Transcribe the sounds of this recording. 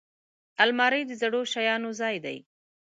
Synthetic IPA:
almɑɾəjd̪əzaɽoʃajɑnozɑjd̪a̰j

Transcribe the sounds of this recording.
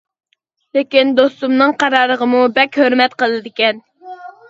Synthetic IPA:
lekʲind̪ost̪umnɨŋqʰɑɾɑːɾəʁəmubɛkʲhøɾmɛt̪qəlˠɨd̪ɪkʲɛn

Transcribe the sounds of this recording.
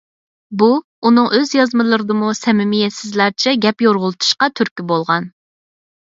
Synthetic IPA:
bu | unɨŋʔøzjɑzmɨlˠəɾɨd̪ɨmusɛmɪmijɛsɪzlæɾt͡ʃʰɛɡʲɛpjoɾʁʊlˠt̪ʰu̥ʃqɑt̪ʰyɾkʲibolˠʁɑn

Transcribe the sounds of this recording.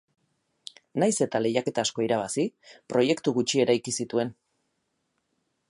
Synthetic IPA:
najse̞t̪ale̞jake̞t̪asko̞iɾaβ̞asipɾo̞je̞kt̪uɣut͡ʃie̞ɾajkisit̪ue̞n

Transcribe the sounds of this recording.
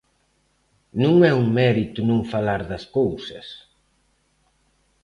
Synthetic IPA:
nũŋɛuŋmɛɾit̪ʊnũŋfalaɾðɐskowsɐs

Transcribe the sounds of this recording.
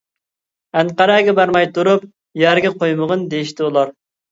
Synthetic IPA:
ɛŋqɑɾɑɡʲɛbæɾmɑjt̪uɾup | jæɾɡʲɛqʰojməʁənd̪ejiʃt̪ʰɪulˠɑɾ

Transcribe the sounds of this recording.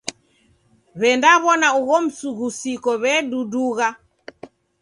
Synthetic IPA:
βɛndaβɔnauɣɔm̩suɣusikɔβɛduduɣa

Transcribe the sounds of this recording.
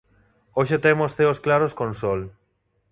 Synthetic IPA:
oʃet̪emosθeosklaɾoskonsol

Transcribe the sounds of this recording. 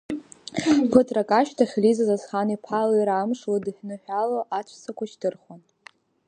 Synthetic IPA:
pʰɨtʰrakʼaʃtʰaχʲlizazasχanipʰalaiɾamʂladɨħʲnɨħᶣaloʔat͡ɕʷʰsʰakʷaʃtɨrχwan

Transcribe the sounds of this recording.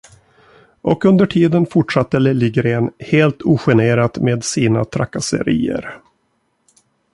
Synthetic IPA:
ʔɔkɵnd̪əʈʰiːd̪ənfʊʈʂat̪ːɛlɛlɪɡɾeːnheːlt̪ʰuːɧɛneːɾat̪meːd̪siːna̰t̪ʰɾa̰kːasə̰ɾḭːə̰ɾ

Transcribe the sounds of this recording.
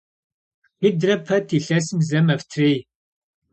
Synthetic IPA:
idrɐpʰɐtʰiɬɐsɨmzɐmɐftʰreːj

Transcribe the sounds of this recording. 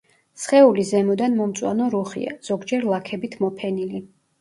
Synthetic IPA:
sχɛulizɛmɔd̪anmɔmt̪sʼwa̰nɔɾuχḭa̰z̥ɔɡd͡ʒɛɾlˠakʰɛbit̪ʰmɔpʰɛnili

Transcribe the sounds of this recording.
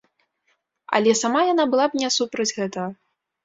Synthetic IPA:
ɐ̰lʲɛsamajanabɨlˠab̚nʲɛsupɾɐd͡zʲɣɛt̪ɐɣɐ

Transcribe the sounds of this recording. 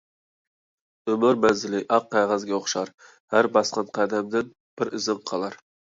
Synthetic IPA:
ømɪɾmɛnzɪlɪʔɑqːæʁæzɡʲɛoχʃɑɾ | hæɾbɑsqɑnqʰæd̪ɛmd̪ɪn | b̥ɪɾɪzɪŋqʰɑlˠɑɾ

